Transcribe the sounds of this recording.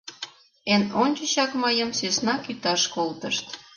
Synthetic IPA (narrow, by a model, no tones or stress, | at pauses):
enonʲt͡ɕəɕɑkmɑjəmsesnɑkyt̪ɑʃkolt̪əʃt̪